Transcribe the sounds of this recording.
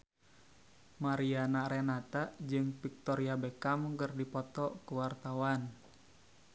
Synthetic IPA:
maɾianaɾɛnat̪ad͡ʒɨŋpik̚t̪ɔɾiabɛkamɡərdipɔt̪ɔkuwart̪awan

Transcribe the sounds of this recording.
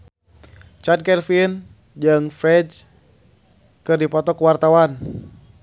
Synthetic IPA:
t͡ʃadkɛlfin | d͡ʒəŋfɾɛd͡ʒ | kɨrdipɔt̪ɔkuwart̪awan

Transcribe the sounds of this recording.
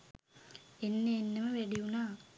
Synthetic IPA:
enːeːnːəməʋæɖiunaː

